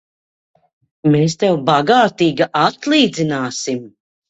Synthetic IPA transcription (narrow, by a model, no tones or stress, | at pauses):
meːst̪ɛwbaɡaːt̪iːɡaʔat̪lˠiːd̪zinaːsim